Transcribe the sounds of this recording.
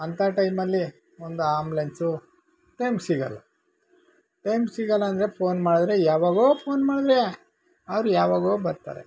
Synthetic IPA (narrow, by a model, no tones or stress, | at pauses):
ɐnt̪ʰaʈɐjmɐlːi | ond̪uaːmblensu | ʈɐjmpsiːɡɐlːɐ̰ | ʈɐjmpsiːɡɐlːɐːnd̪ɐɾe̞pʰo̞ːnmaːɽd̪ɾejaːʋaːɡoːpʰoːnmaːɽd̪ɾe̞ | ɐʋɾujaːʋaːɡoːbɐɾt̪a̰ːɾḛ